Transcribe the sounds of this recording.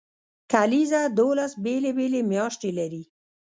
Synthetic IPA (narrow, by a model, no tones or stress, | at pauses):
kalizad̪olasbelebelemjɑʃt̪elaɾi